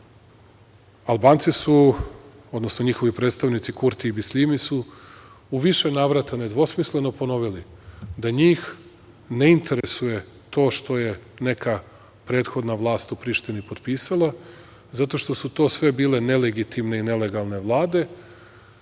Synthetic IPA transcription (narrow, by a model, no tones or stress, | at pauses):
alˠbaːnt̪sisu | o̞d̪no̞sno̞ɲixo̞ʋipɾet̪st̪aʋnit̪sikuɾt̪iːbislimisu | uʋiʃe̞naːʋɾat̪ane̞d̪ʋo̞smisle̞no̞po̞no̞ʋilid̪aɲiːx | ne̞int̪ʰe̞ɾesuje̞ | t̪o̞ːʃt̪o̞je̞ne̞ka | pɾe̞ːt̪xo̞d̪naʋlˠaːst̪upɾiːʃt̪inipo̞t̪piːsalˠa | zat̪o̞ʃt̪o̞sut̪o̞ːsʋe̞biːle̞ne̞le̞ɡit̪imneine̞le̞ɡalˠne̞ʋlˠaːd̪e̞